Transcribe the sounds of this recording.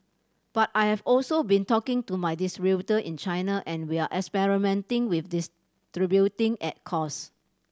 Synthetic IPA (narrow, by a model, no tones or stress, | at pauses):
b̥atajhɛvɔlsobĩntɔkɪ̃ŋtumajdisɹitəʔĩnt͡ʃaɪnaʔɛ̃nwiaʔɛkspɛɹimɛ̃ntɪ̃ŋwifdis | tɹibjutɪ̃ŋʔɛt̚kʰɔs